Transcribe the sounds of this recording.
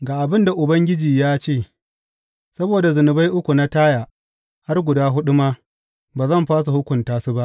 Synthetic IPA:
ɡaː˨ʔa˨bɪ˦nda˨ʔʊ˨bɐ˦ŋɡʲɪ˦d͡ʒiː˨jaː˦t͡ʃeː˦˨ | sɐ˦boː˨da˨zʊ˨nʊ˨ba˦jʔʊ˦kʷu˨na˦taː˦jaː˨ | ha˦rɡʷʊ˨daː˦ɦʊ˦ɗʊ˦maː˦ | baː˨zɐ˦˨mɸaː˦s̬u˨hʊ˦kʷʊ˨ntaː˦su˦ba˦ʔ

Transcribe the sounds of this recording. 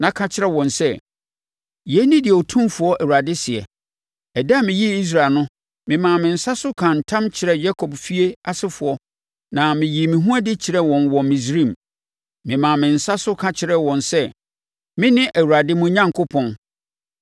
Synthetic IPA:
nã˨˦kʰã˦t͡ɕʰɪ˦ɾɛ˦wɔ̃˨nsɛ˦ | jɛ˦nĩ˦dɪ˨ɔ˨tʰũ˦mfʊ˦ɔ˦ʔæ˨wu˨ɾa˨dɪ˦sɪ˨ɛ̰˨ | ɛ˨da˦˨mɪ̃˨ji˦i˦s̬ɾa˨lnʊ̃˦ | mɪ̃˨mã˨mɪ̃˨n̩˨sa˦sʊ˦kʰã˨n̩˨tʰã˦mt͡ɕʰɪ˨ɾɛ˦ja˦kʰɔ˨bfi˦e˦a˨sɪ˦fʊ˨ɔ˦ | nã˨mɪ̃˨ji˨mĩ˨ɦũ˦a˦dɪ˦t͡ɕʰɪ˨ɾɛ˦wɔ̃˨nwɔ̃˨mĩ˨s̬ɾĩ˦˨m | mɪ̃˨mã˨mɪ̃˨n̩˨sa˦sʊ˦kʰã˨t͡ɕʰɪ˨ɾɛ˦wɔ̃˨nsɛ˦ | mɪ̃˦nɪ̃˦ʔæ˨wu˨a˨dɪ˦mʊ̃˦ɲã˦ŋkʰʊ˦pʰɔ̃˦˨n

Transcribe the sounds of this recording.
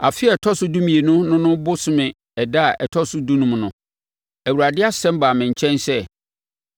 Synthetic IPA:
a˨fɪ˦ɛ˨tʰɔ˦sʊ˦dũ˦mĩ˨e˨nʊ̃˦nʊ̃˦nʊ̃˦bʊ˦sʊ˦mɪ̃˨ | ɛ˨da˦˨ʔɛ̰˨tʰɔ˦sʊ˦du˦nũ˦mnʊ̃˨ | æ˨wu˨ɾa˨dɪ˦a˦sɛ̃˦m˦baː˨mɪ̃˨ɲ̩˨t͡ɕʰɛ̃˦nsɛ˦

